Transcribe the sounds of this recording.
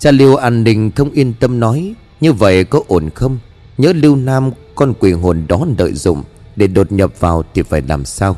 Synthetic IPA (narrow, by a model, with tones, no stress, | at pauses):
t͡ɕaː˧li˧əwʔaː˧˩nːï˨˩ŋ̟xə˧wŋ͡mʔi˧ənt̪ə˧mnɔ˨˦j | ɲɨ˧və̰˧˨jkɔ˨˦ʔo˧˩nxə˧wŋ͡m | ɲə̰ː˧˦˥li˧wnaː˧mkɔ˧nkwi˨˩ɦo˨˩nɗɔ˨˦nə̰ː˧˨jzʊ̰˧˨ŋ͡m | ɗe˧˩ɗo˨˩t̚ɲə˨˩p̚vaː˨˩wt̪ʰi˨˩faː˧˩jlaː˨˩msaː˧w